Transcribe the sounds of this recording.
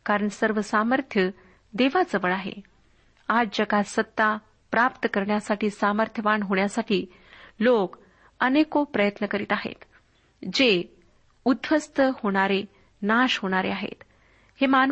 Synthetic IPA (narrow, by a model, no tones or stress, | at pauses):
kaɾəɳsəɾʋəsaməɾt̪ʰjə | d̪eʋad͡zəʋəɭaɦḛ | ad͡ʑd͡ʑəɡasət̪ːa | pɾapt̪əkəɾɳjasaʈiːsaməɾt̪ʰjəʋaɳɦoɳjasaʈiː | lok | ənekopɾəjət̪nəkəɾiːt̪aɦḛt̪ | d͡ʑe | ud̪ʋəst̪əhoɽ̃aɾe | naɕɦoɽ̃aɾḛaɦḛt̪ | heman